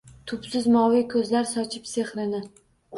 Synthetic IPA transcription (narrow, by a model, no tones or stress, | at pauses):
t̪ʰʊpsɪzmɒwɪkʰɵzlaɾsɒt͡ʃʰɪpseχɾɪnɪ